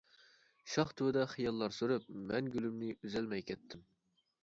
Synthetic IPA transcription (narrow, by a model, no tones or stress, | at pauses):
ʃɑχt̪ʰuwd̪ɛχijɑlˠːɑɾsyɾyp̚mɛnɡʲylymnɪyzɛlmɛjkʲʰɛt̪ʰːɪm